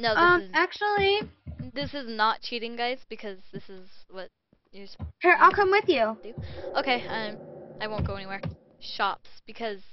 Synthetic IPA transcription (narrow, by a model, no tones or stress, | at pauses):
noʊðʌ̃mæk̚t͡ʃul̩ˠiðɪsɨznət̚t͡ʃʰiɾɪ̃ŋɡaɪz̥b̥ɨkʰʌzðɪsɨzwʌt͡ʃ | ə˞shə˞aɪlˠkʰʌ̃mwɪðjʉd̥ʉʔoʊkʰeɪʌ̃ɪ̃maɪwõʊ̃nɡ̥oʊɛ̃niwɛɹ | ʃɑpsb̥ɨkʰʌz̥